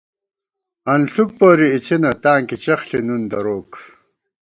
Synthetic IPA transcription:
ɐnɬuk̚poːɾiːt͡ɕʰinɐt̪aːŋkit͡ɕɐχɬinund̪ɐɾoːk

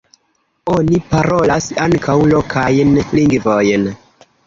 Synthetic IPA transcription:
o̞nipaɾo̞lasaŋkʰawlo̞kʰajnliŋɡvojn

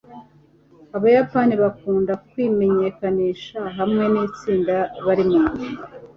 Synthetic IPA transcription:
aβajapaniβakuːndakwime̞ɲe̞kaniːʃaɦamŋe̞niːt͡siːndaβaɾimuːi

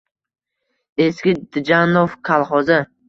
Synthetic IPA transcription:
eskʲɪd̪ɪd͡ʒanofkʰalˠχɒzɪ

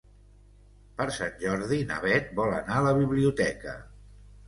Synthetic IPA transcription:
pəɾsanʲʒɔɾðinə̰βɛt̪̚bɔlə̰naələβiβliut̪ɛkə̰

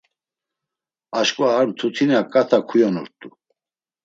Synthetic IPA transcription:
aʃkʼwaːɾt̪ʰut̪ʰinakʼat̪ʰakʰujɔnɔ̰ɾt̪ʼu

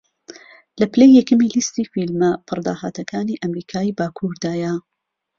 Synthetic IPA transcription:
lɐplejːɛkɨmiːlist̪iːfilmɐpʰɨɾd̪a̰ːha̰ːt̪ʰɐkʰaːniːʔɐmɾiːkʰaːiːbaːkʰuːɾd̪aːjɐ

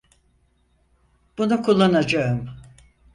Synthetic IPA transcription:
b̥unukʰulˠːanad͡ʒaɯm

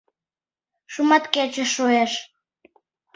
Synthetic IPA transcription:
ʃumɑt̪ket͡ɕəʃojeʃ

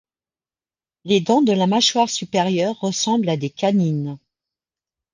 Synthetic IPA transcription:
led̪ɔ̃d̪əlamaʃwaʁsypɛʁjœʁːəsɑ̃blad̪ekanin

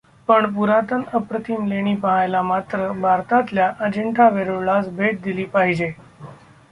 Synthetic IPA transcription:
pəɳp̬uɾat̪ənəpɾət̪ʰimleɽ̃iːpəɦajlamat̪ɾəbʱaɾt̪at̪ljaʔəd͡ʑəɳʈʰaʋeɾoɭasbʱeʈ̪̚d̪iliːpaɦid͡ʑe

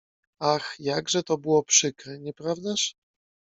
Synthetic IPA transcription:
axjaɡʐɛt̪ɔbɘwɔpʂɘkɾɛɲɛpɾavd̪aʂ

